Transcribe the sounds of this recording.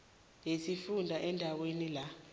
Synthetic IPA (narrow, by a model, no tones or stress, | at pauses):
jesifundʱaʔɛndʱawenila